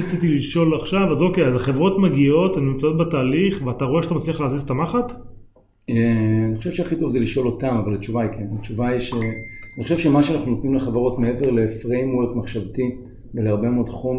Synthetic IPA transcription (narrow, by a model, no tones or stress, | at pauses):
t͡sitiliʃo̞laχʃavazo̞kejazaχe̞vʁo̞tmaɡio̞temnimt͡sao̞t̪betaːliχveataʁo̞eʃat̪amat͡sliaχlaːzizetamaχat | eaniχoʃevʃeaχito̞vzeliʃo̞lo̞tamavalat͡ʃuvaikʰenat͡ʃuvaiʃeaniχoʃevʃemaʃeanaχnunot̪nimleχavaʁo̞tmeeveʁle̞fʁejmweʁkmaχʃavti | veleaʁbemeodχom